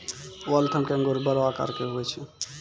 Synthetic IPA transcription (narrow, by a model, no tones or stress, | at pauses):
wəlt̪ʰəmkeə̃ŋɡoɾbəɾʋaka̰ɾkeɦoɛt͡ʃʰɛ